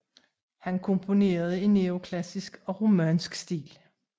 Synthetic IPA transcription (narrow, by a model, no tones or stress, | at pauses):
hænkʰɔ̽mpʰo̝ne̝̰ːɐð̞̩ˠəe̝nːeo̝kʰlæsisɡ̥ɒ̽ʁomænsɡ̥sd̥ḭːl